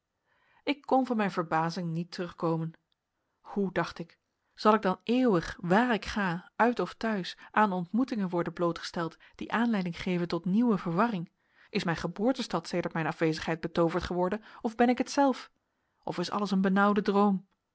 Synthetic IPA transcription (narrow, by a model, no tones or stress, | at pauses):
ɪkːɔnvɑnmɛjnvəɹbaːzɪŋnitərɵχkowmən | hudɑχtɪk | z̥ɑlˠɪɡ̚dɑnɪːwəχʋaːɹɪkχaːœɥtɔftœɥsʔaːnɔntmutɪŋənʋɔɹdənblowtχə̥stɛlˠt | d̥iʔaːnlɛjdɪŋχejvəntɔtniwəvəɹʋɑrɪŋ | ʔɪsmɛjnχəbʊːɹtəstɑtsejdəɹtmɛjnɑfʋejzəχɦɛjd̚bətowvəɹtχəʋɔɹdənɔvbɛnɪkətsɛlˠf | ʔɔfɪsɑ̰ləsənbənʌwdədrowm